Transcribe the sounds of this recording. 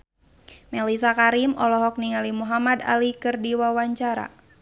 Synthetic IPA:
mɛlis̬akaɾimɔlɔɦɔk̚niŋalimuɦamad̪a̰likɨrdiwawaɲt͡ʃaɾa̰

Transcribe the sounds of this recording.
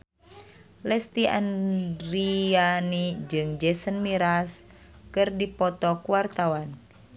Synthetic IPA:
lɛst̪iʔa̰nrianid͡ʒɨŋd͡ʒɛsənmiɾas | kɨrdipɔt̪ɔkuart̪awan

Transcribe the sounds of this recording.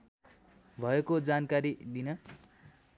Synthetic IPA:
bʱʌekod͡zankaɾid̪inʌ

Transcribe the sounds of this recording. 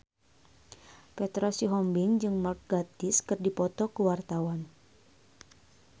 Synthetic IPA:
pɛt̪ɾosiɦɔmbɪŋd͡ʒɨŋmark̚ɡ̥at̪ɪskɨrdipɔt̪ɔkəwart̪awan

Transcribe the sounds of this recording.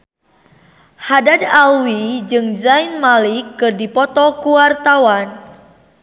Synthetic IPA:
hadadalwid͡ʒɨŋzainmalikːɨrdipɔt̪ɔkuwart̪awan

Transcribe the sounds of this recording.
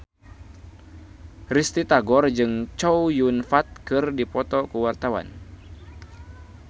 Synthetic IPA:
rist̪it̪aɡɔrd͡ʒɨŋt͡ʃɔwjunfat̪̚kɨrdipɔt̪ɔkəwart̪awa̰n

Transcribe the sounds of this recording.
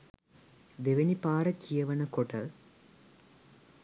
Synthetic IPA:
d̪eʋɐnipaːɾɐkijɐʋɐnɐkoʈɐ

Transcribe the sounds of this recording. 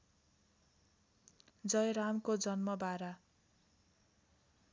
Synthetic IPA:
d͡zʌjɾamkod͡zʌnmʌbaɾa

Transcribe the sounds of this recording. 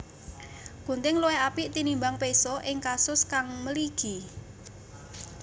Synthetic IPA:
kṳnt̪ɪŋluwɛapiʔt̪inimbaŋpesɔʔɪŋkasʊskaŋməliɡ̥i̤

